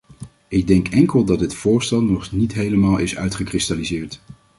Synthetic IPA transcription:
ɪɡ̚dɛŋkɛŋkəlˠdɑd̚dɪtfʊːɹstɛlˠnɔχnitɦejləmaːlˠɪsœ̰ɥtχəkrɪstalizɪːɹt

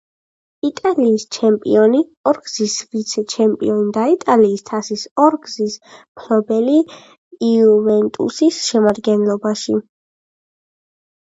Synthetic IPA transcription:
it̪ʼaliːst͡ʃʰɛmpʼḭɔniɔɾɡzisvit̪sʰɛt͡ʃʰɛmpʼḭɔnid̪ait̪ʼaliːst̪ʰasisɔɾɡzispʰlɔbɛli | iuvɛnt̪ʼṵsisʃɛmad̪ɡɛnlˠɔbaʃi

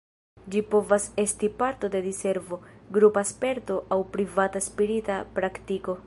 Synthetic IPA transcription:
d͡ʒipo̞vase̞stipaɾto̞de̞ɾise̞ɾvo̞ɡɾupaspe̞ɾto̞ʔawpɾivataspiɾitapɾaktiko̞

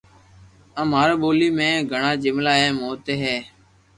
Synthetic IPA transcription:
ə̃ːmaːɾːɓoːliːmẽːɡʱəɳaːd͡ʒɪmlaːɦeːmoːt̪eːɦeː

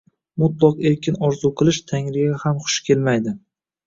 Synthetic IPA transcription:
mʊt̪lˠɒqe̞ɾkʲɪnɒɾzuqʰɨlˠɪʃt̪ʰaŋɾɪjahamχʊ̥ʃkʲʰe̞lmajd̪ɪ

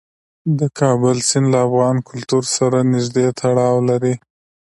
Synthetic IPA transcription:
d̪əkʰɑbəlsɪnlaːfɣɑnkʊlt̪uɾsaɾanɪʒd̪et̪ʰaɽɑwlaɾi

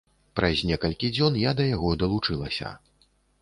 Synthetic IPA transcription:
pɾɐzʲnʲɛkɐlʲkʲid͡zʲɔnjad̪ɐjaɣɔd̪ɐlˠut͡ʂɨlˠɐsʲɐ̰

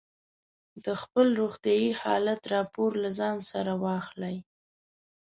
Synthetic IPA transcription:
d̪əxpəlɾoɣt̪jɑjihɑ̰lat̪ɾɑpoɾlazɑnsaɾawɑxlaj

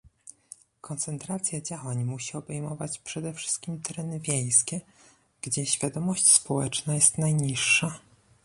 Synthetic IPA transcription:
kɔnt̪sɛnt̪ɾat̪sʲjad͡ʑawaɲmuɕiɔbɛjmɔvat͡ɕpʂɛd̪ɛfʂɘ̥st̪̚kʲimt̪ʰɛɾɛnɘvʲjej̃skʲɛ | ɡ̥d͡ʑɛɕfʲjad̪ɔmɔɕt͡ɕspɔwɛt͡ʂnajɛst̪najɲiʂːa

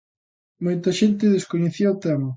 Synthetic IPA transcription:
mojt̪ɐʃent̪ɪðeskoɲeθioawt̪ɛmɐ

